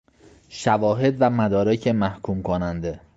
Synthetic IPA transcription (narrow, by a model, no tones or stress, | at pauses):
ʃævɒːɦe̞d̪væmæd̪ɒːɾecʰemæhkʰuːmkʰonænd̪e̞